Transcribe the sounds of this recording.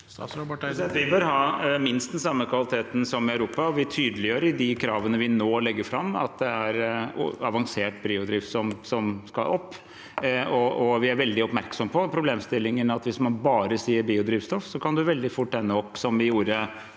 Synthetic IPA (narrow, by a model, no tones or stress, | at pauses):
ssɑt̪ʋɪbøːɾɦɑːmɪnst̪d̪ɛnsɑmːəkʰʋɑlɪt̪ʰeːt̪n̩sɔmɪɑʉɾuːpɑɔʋɪt̪ʰyːd̪əlɪjøːɾəɪd̪ɪkʰɾɑːʋənəʋɪnoːlɛɡːəɾfɾɑmːɑ̰t̪̚d̪ɛæɾɑʋɑŋseːʈbiːʊd̪ɾiːfsɔmsɔmskɑ̰lʔɔpː | ɔɔʋɪæɾʋɛld̪ɪɔpmæɾksɔməpʰɔpʰɾʊbleːmst̪ɪlːɪŋənɑt̪ʋɪsmɑnbɑːɾəsiːəɾbiːʊd̪ɾiːʋst̪ɔfsɔkɑnd̪ʉʋɛld̪ɪfʊʈːɛnːəɔpːsɔmʋɪjuːɾə